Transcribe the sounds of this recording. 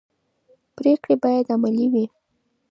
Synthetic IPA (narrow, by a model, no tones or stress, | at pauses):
pɾekɽebɑjad̪amaliwi